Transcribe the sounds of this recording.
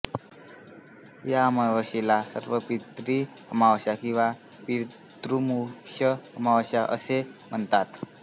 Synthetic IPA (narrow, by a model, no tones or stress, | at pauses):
jaməʋəɕilasə̰ɾʋəpit̪ɾi | əmawɕakĩw̃ʋa | piɾ | t̪ɾumukɕəəmawɕaʔə̰sem̤ənt̪at̪